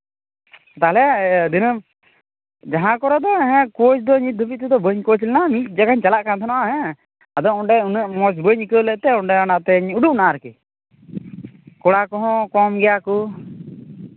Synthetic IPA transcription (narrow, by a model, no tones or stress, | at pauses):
t̪aːɦɛlɛd̪inəm | d͡ʒaɦãkɔɾɛd̪ɔɛɦɛ̃kot͡ʃd̪ɔɲit̪̚d̪ʱubiʔ̚t̪ɛd̪ɔbəɲkot͡ʃlɛnamit̪̚ˀd͡ʒakaɲt͡ʃalaʔkant̪ʰanɔʔaɦɛ̃ | ad̪ɔŋɔɖɛunəʔmɔsbəɲikələʔt̪ɛɔɳɖɛɔnat̪ɛɲuɖuʔ̚naʔaɾkɛ | kɔɽakɔɦɔ̃kɔmɡɛjaku